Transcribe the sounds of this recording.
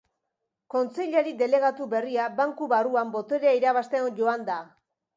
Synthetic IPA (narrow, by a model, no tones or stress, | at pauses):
ko̞nt͡se̞ʎaɾid̪e̞le̞ɣ̞at̪uβe̞riabaŋkuβaruambo̞t̪o̞ɾeaiɾaβast̪e̞onʝo̞and̪a